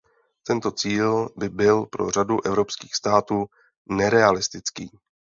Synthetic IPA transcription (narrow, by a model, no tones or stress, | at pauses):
t̪ɛnt̪o̞t͡siːlbɪbɪlpɾo̞̰r̝aduʔɛvɾo̞pskiːxst̪aːt̪uː | nɛɾɛalɪst̪ɪt͡skiː